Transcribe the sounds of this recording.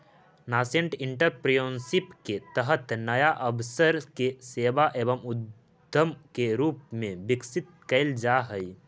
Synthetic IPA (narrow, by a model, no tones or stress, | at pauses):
naːsẽɳʈɪ̃ɳʈəɾpɾjoːnsɪpket̪əɦət̪nɐjaʔəbsəɾkeseːʋaʔeːʋəmʊd̪ʱ | əmkeɾuːpmẽbɪksɪt̪̚kɐɪld͡ʒaːɦəi